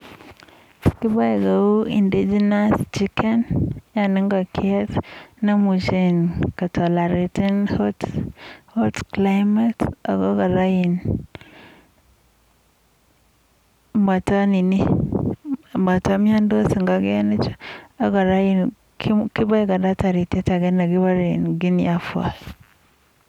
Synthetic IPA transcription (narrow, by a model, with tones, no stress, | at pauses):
ki˦ba˦i˨ɡa˨u˦ḭ˨ndi˦d͡ʒi˦na˦st͡ʃi˦kʰɛ˦nja˨ni˦ŋɡa˨kʰi˦ɛ˦tna˦mu˨t͡ʃe˨nka˨tʰo˨la˨ɾe˨ti˦nho˦tho˦tkla˦jma˦ta̰˨ɡa˦ka˨ɾa˦ji˨n | ma˨ta˦ni˨ni˦ | ma˨ta˦m˦a˦ndo˦si˨ŋɡa˨ɡe˦e˦ni˦t͡ʃḁ˦a˨ɡa˨ɾa˦ji˦n | kki˦ba˦ɡa˨da˦ta˨ɾi˨te˦ta˨ɡe˦na˨ɡi˦ba˦ɾḛ˨nɡi˦n˦ja˦fu˦a̰˨s